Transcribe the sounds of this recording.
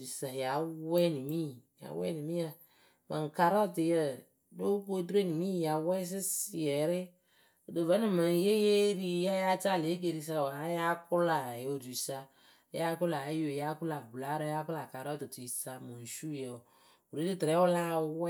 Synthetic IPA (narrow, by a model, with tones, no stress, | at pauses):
u˨sa˨ja˨wɛ˦ni˨mi˦˨ja̰˨˦wɛ̰˦ni˨mi˦a˨ | ma̰˨ŋ˨ka˨ɾɔ˦˨tɪ˨jə˦ | do˦ko˦de˦˨ni˨mi˦˨ja˨wɛ˦s̬ɪ˦sɪ˨ɛ˨ɾɪ˦ | o˨do˨vɛ˦nĩ˦ma˨n˨˦je˦je˦ɾi˦ja˦ja˦t͡ʃa˦˨le˨˦k̬e˨ɾi˨s̬a˦˨a˦ja˦kʊ˦la˨o˨du˨i˨sa˦ | ja˦kʊ˦la˨˦jo˨ja˦kʊ˦la˨bla˦ɾa˦ja˦kʊ˦la˨ka˨ɾɔ˦ti˨tu˨i˨sa˦mõ˨ʃu˦je˨ | o˨ɾi˦di˦tɾɛ˨˦o˦la˦˨wɛ˦